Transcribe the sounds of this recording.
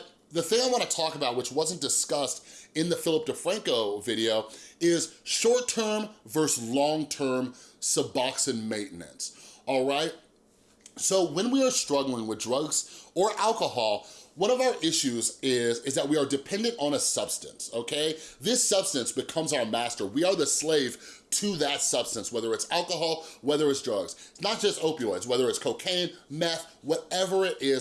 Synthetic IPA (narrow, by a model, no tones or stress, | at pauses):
ðɨθɪ̃ŋaɪwɑ̃ñɨtʰɔkəbaʊt̚wət͡ʃwʌzə̃n̩d̥ɨskʌstɨ̃nðɨfɪlˠəp̚d̥ɨfɹæ̃ŋkoʊvɪɾioʊɪz̥ʃɔɹtʰɜ̃˞mvɜ˞slɔ̃ŋtʰɜ̃˞msəbɑksɨ̃nmẽɪ̃ʔn̩ɨ̰̃nsɔlˠɹaɪt̚ | soʊwɨ̃nwiə˞stɹ̥ʌɡl̩ˠɪ̃ŋwəðdɹʌɡz̥ə˞ʔælˠkəhɔlˠwʌ̃ɾ̃ʌvaʊə˞ʔɪʃʉzɪzɪzðɨt̚wiə˞dɨpʰɛ̃ndɨ̃ntn̩əsʌb̥stɨ̰̃nsoʊkʰeɪðɪsʌb̥stɨ̃nsb̥ɨkʰʌ̃mzaʊə˞mæstə˞wiə˞ðɨsleɪv̥ | tʰɨðɨtsʌb̥stɨ̃nswɛðə˞ɨtsælˠkəɦɔlˠwɛðə˞ɨtsdɹʌɡz̥ɪtsnət̚d̥ʒ̥ʌstoʊpiɔɪzwɛðə˞ɨtskʰoʊkʰẽɪ̃nmɛθ | wʌɾɛvə˞ɪɾʔɪz